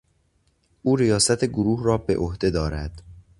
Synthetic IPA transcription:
ʔuːɾijɒːsæt̪ʰeɡoɾuːhrɒːbe̞ʔohd̪e̞d̪ɒːɾæd̪̥

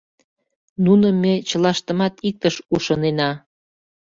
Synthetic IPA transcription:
nunəmːet͡ɕəlɑʃt̪ə̆mɑt̪ik̚t̪əʃuʃɤnenɑ

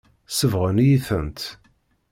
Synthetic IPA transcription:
səvʁənjiθənt̪

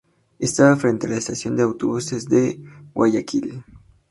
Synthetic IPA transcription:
est̪aβafɾe̞nt̪ealaest̪asjo̞nd̪eawt̪oβusezd̪ewaʝakil

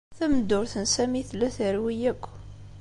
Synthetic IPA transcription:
θæməd̪ːʊɾθənsæmiθlːæθəɾwijækʷː

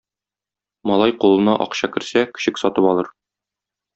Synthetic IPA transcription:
mɒlˠɑjqulˠɤ̆nɑʔɒ̰qɕɑkɘ̆ɾsækɘ̥̆ɕɘksɒt̪ɤpɒlˠɤɾ

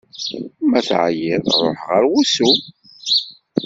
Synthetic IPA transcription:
mæθʕjɪðˤɾˤo̰ħʁəɾwusu

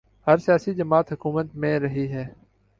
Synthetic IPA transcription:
həɾsɪjaːsid͡ʒəmaːt̪ɦʊkuːmət̪mẽːɾəɦiɦɛː

